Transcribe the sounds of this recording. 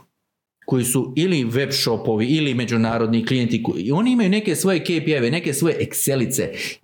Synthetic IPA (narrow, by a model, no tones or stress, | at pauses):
ko̞jisuiliʋe̞bʃo̞po̞ʋiilime̞d͡ʑunaːɾo̞d̪niklije̞nt̪iko̰io̞ːniimajune̞ke̞sʋo̞je̞kepieʋene̞ke̞sʋo̞je̞ʔekse̞lit̪se̞